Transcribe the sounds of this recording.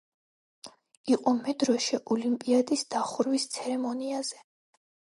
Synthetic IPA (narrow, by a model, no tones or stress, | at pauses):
iqʼɔmɛd̪ɾɔʃɛʔɔlimpʼiad̪isd̪̥aχuɾwist̪sʰɛɾɛmɔniaz̥ɛ